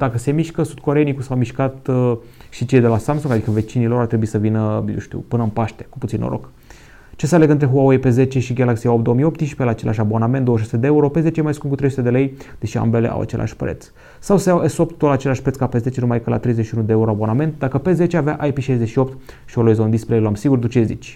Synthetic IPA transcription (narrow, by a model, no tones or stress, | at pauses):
d̪̥akəse̞miʃkəsud̪̥ko̞ɾenikusawmiʃkat̪ | ʃit͡ʃe̞jd̪e̞lasamsuŋɡad̪ikəve̞t͡ʃinilo̞ɾart̪ɾebuisəvinəjṵwʃt̪ḭupɨnəɨnpaʃt̪eku̥put̪inːo̰ɾʔo̰k | t͡ʃe̞sealeɡɨnt̪ɾeɦuaujepe̞ze̞t͡ʃe̞ʃiɡalaksiaop̚d̪oomijo̞pt̪ːiʃi̥pelaːt͡ʃe̞lʔaʃʲabo̞nament̪d̪owəʃ̬su̥t̪ed̪eeuɾo̞pe̞ze̞t͡ʃejemajskumkut̪ɾejsut̪ed̪e̞le̞jd̪̥e̞ʃia̰mbe̞leʔa̰wʔa̰t͡ʃe̞lʔa̰ʃʲpɾḛt̪s | sawseawesopt̪ːot̪at͡ʃe̞laʃpɾeskapeze̞t͡ʃe̞numajkəla̰t̪ɾe̞jzeʃiunud̪e̞euɾo̞abo̞nament̪d̪akəpe̞ze̞t͡ʃe̞avea̰ʔajpiʃajze̞ʃio̞p̚t̪ | ʃioloizond̪ispɾeloamsiɡurd̪ut͡ʃezḭt͡ʃʲ